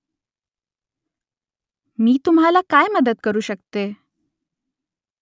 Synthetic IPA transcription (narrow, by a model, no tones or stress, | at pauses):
miːt̪umɦalakajməd̪ət̪̚kəɾuːɕəkt̪e